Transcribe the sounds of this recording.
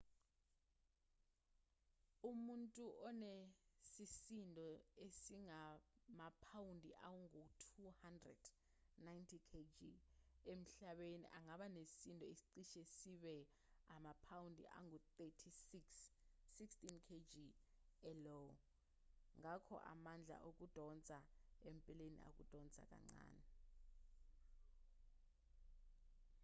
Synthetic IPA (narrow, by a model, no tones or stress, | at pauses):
umuntʼuʔɔnɛsisindʱʼɔesiŋamapʰawundʱiʔa̰wuŋutʰuhandrɛ̰d̥ | najntʰikʰed͡ʒiem̩ɬaɓenḭʔaŋaɓanesintʼɔesi̥ǀiʃɛsiɓɛ | amapʰawundʱḭʔa̰ŋut̪etʰisiksːikstinkʰed͡ʒiɛlɔw | ŋakʰɔ̰ʔa̰mand͡ɮʱa̰ʔok̬ud̥ʱɔnt͡sʼaempʼilenḭʔa̰k̬ud̥ʱɔnt͡sʼa̰k̬ʼa̰ŋ͡ǀa̰ːnɛ